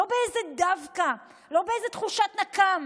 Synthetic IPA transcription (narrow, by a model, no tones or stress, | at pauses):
obeejzed̪avka | lo̞beejzet̪χuʃat̪nakam